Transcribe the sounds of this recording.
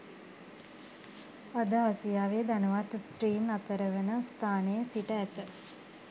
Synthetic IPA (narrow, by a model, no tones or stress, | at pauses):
ad̪əasijaːʋed̪anəʋat̪st̪riːnat̪əɾəʋənəst̪ʰaːnəjəsiʈəæt̪ə